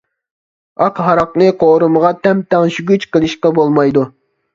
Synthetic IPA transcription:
ɑqɦɑɾɑqnɨqʰoːɾuməʁɑt̪ʰɛmt̪ɛŋʃyɡʲyt͡ʃqəlˠɨʃqɑbolˠmɑjd̪u

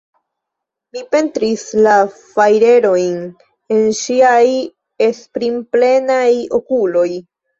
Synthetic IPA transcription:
mipe̞ntɾislafajɾe̞ɾo̞jn | e̞nʃiaj | e̞spɾimple̞najo̞̰kulo̞j

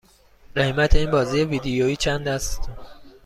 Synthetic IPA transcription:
ɾehmæt̪ʰeiːnbɒːziːjeviːd̪ejoiːt͡ʃʰænd̪æst̪

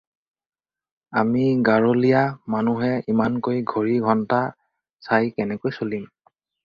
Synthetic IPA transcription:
amiɡaɹolijamanuɦɛimankojɡʱoɹiɡʱɔnta | sajkɛnɛkojsolim

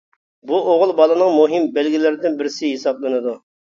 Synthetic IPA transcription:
buʔoʁʊlˠbɑlˠɨnɨŋmuɦɪmbælɡʲilɪɾɪd̪ɪnbɪɾsɪɦesɑblˠɨnɨd̪u

